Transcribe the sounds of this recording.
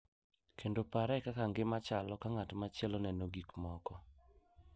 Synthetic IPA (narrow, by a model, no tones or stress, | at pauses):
kʰendopaɾɛkakaŋɡɪmat͡ʃalɔkaŋatmat͡ʃɪɛlɔnɛnoɡikmɔkɔ